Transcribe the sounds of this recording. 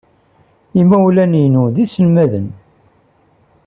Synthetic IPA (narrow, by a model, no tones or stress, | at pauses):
imæwlæninuðisəlmæðən